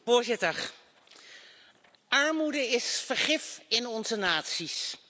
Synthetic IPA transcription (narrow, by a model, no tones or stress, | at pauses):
ʊːɹzɪtəɹ | ʔaːɹmudəɪsfəɹχɪfɪnɔnzənaːtsis